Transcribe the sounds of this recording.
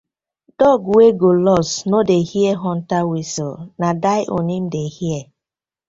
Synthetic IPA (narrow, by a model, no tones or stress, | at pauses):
d̥ɔɡweɡolɔsnodehieɦɔn̩tawisɔlnadaɪʔo̰nim̩dehiɛ